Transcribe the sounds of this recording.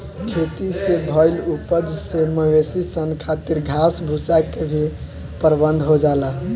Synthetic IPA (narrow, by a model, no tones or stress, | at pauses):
kʰet̪isebʱəjlupəd͡ʒseməwesisənkʰat̪iɾɡʱasbʱut͡ʃakebʱi | pəɾbənd̪ʱɦod͡ʒala